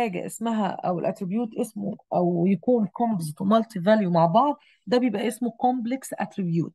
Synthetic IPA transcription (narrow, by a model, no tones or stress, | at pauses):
æːɡæ̰ʔḛsmæɦæ̰ʔæ̰wḛlʔæt̪ɾibjuːt̪ʔesmoʔæwjækuːnkombozɪt̪wmælt̪ivæljumaʕbɑʕd̪ˤ | d̪æbejebʔæʔesmokombleksʔæt̪ɾibjṵːt̪̚